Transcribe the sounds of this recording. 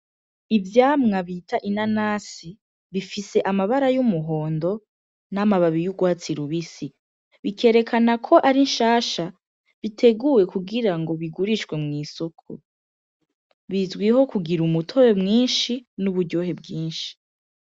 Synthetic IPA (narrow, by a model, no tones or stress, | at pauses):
ivjaːmŋaβiːtaʔinanaːsi | βifise̞ʔamaβaɾajumuɦo̞ːndo̞ | namaβaβijuɡwaːt͡siɾuβisi | βikʰe̞ːɾe̞kʰanakʰo̞ʔaɾinʃaːʃa | βitʰe̞ɡuwe̞kuɡiɾaŋɡo̞βiɡuɾiʃɡwe̞mŋiːsokʰṵ | βizɡwiho̞kuɡiɾumutʰo̞ɾemŋiːnʃinuβuɾɟo̞ɦe̞bɡiːnʃi̥